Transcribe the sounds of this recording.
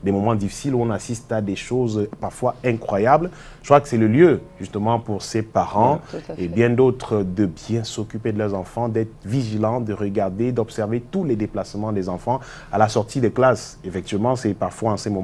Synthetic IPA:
d̪ɛmɔmɑ̃d̪ifi̥siluɔ̃nasist̪ad̪eʃozpaʁfwaɛ̃kχwajabl | ʒə̥kwakə̥sɛləljøʒyst̪əmɑ̃puʁsepaʁɑ̃ebjɛ̃d̪ot̪χəd̪əbjɛ̃sɔkʲyped̪əlœʁzɑ̃fɑ̃d̪ɛt̪χəviʒilɑ̃d̪əʁəɡaʁd̪ed̪ɔpsɛʁvet̪ulɛd̪eplasmɑ̃d̪ezɑ̃fɑ̃ | alasɔʁt̪id̪ɛklas | efɛk̚t̪ivmɑ̃sɛpaʁfwaɑ̃sɛmɔ̃

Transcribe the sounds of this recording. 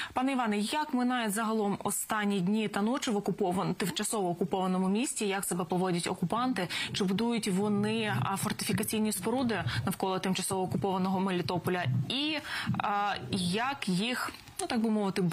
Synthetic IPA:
pɑnɛiʋɑnɛjɐkmɪnɑjɛzɐɦɐlˠɔmɔ̰st̪ɑnʲːidʲnʲit̪ɐnɔt͡ʃɪʋɔkʊpɔʋɐt̪ɪmt͡ʃɐsɔʋɔːkʊpɔʋɐnɔmʊmʲisʲtʲijɐksebɛpɔʋɔdʲɐtʲɔ̰kʊpɑnt̪ɪt͡ʃɪbʊd̪ujʊtʲʋɔnɪfɔrt̪ɪ̥fʲikɐt͡sʲijnʲispɔɾud̪ɪnɐwkɔlˠɔt̪ɪmt͡ʃɐsɔʋɔːkʊpɔʋɐnɔɦɔmelʲɪt̪ɔpɔlʲɐi | jɐkjix | nut̪ɑɡ̚bɨmɔʋɪt̪ɪ

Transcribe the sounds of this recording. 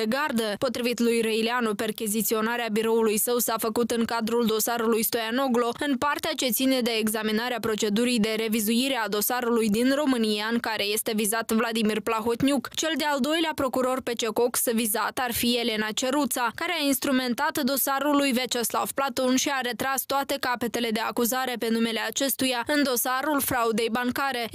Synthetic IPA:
eɡard̪əpo̞t̪ɾivit̪lujrejleanupe̞rkʲizit̪sio̞naɾeabiɾo̞ulujsəwsafəkut̪ɨŋkad̪ɾuld̪o̞saɾulujst̪o̞jano̞ɡlo̞ɨnpart̪eat͡ʃe̞t̪sine̞d̪e̞ːɡzaminaɾeapɾo̞t͡ʃe̞d̪uɾijd̪e̞ɾe̞vizuiɾe̞ad̪o̞saɾulujd̪inro̞mɨnijaɨŋkaɾe̞je̞st̪e̞vizat̪vlad̪imirplaɦot̪nʲjukt͡ʃe̞ld̪eald̪o̞jleapɾo̞kuɾo̞rpe̞t͡ʃe̞ko̞ksvizat̪arfie̞le̞nat͡ʃe̞ɾut̪sakaɾeainst̪ɾume̞nt̪at̪d̪o̞saɾulujvet͡ʃesla̰vplat̪o̞nʃiaɾe̞t̪ɾast̪oat̪e̞kape̞t̪e̞le̞d̪e̞akuzaɾe̞pe̞nume̞le̞at͡ʃe̞st̪ujaɨnd̪o̞saɾulfɾaud̪e̞jbaŋkaɾe̞

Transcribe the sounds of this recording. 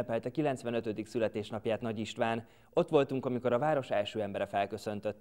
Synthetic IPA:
pɛlt̪ɛkilɛnt̪svʋɛnøt̪ød̪iksylɛt̪eːʃnɒpjaːt̪nɒɟiʃt̪ʋaːn | o̞t̪ːʋo̞lt̪uŋkɒmiko̞ɾɒvaːɾo̞ʃɛlʃøːɛmbɛɾɛfɛlkø̞sø̞nt̪øt̪ː

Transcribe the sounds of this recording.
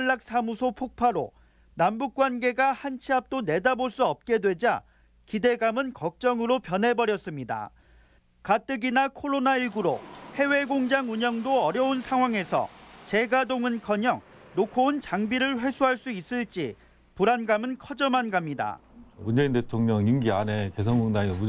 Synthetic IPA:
ɭːak̚s͈ʰamusʰopʰok̚pʰaɾo̰ | nambuk̚k͈wanɡe̞ɡahant͡ɕʰiap̚t͈one̞daboɭs͈uʌp̚k͈e̞dwe̞d͡ʑa | kide̞ɡamɯnkʌk̚t͡ɕ͈ʌŋɯɾopjʌnɦe̞bʌɾjʌs͈ɯmɲida̰ | kat͈ɯɡinakʰoɾonaiɭɡuɾo̰he̞we̞ɡoŋd͡ʑaŋuɲʌŋdoʌɾjʌunsʰaŋɦwaŋe̞sʰʌ̰t͡ɕe̞ɡadoŋɯnkʰʌɲʌŋ | nokʰount͡ɕaŋbiɾɯɭɸwe̞sʰuɦaɭs͈uis͈ɯɭt͡ɕ͈i | puɾanɡamɯnkʰʌd͡ʑʌmanɡamɲida̰mund͡ʑe̞inde̞tʰoŋɲʌŋimɡiane̞ke̞sʰʌnɡoŋdaŋimu

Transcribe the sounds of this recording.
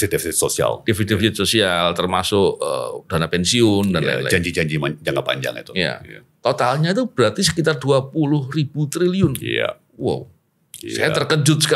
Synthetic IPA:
sit̪ifisit̪sosia̰ldefit̪ifisɪt̪sosialt̪ərmasʊkəd̥anapɛnsiʊndana̰la̰d͡ʒaɲd͡ʒid͡ʒaɲd͡ʒimad͡ʒaŋapa̰ɲd͡ʒa̰ŋḭt̪u̥ja̰ | t̪ot̪alɲat̪ub̥əɾat̪isəkit̪arduapulʊhrib̥ut̪ɾiliʊnja̰ | wa̰w | sa̰jat̪ərkəd͡ʒʊt̪̚sə̥k

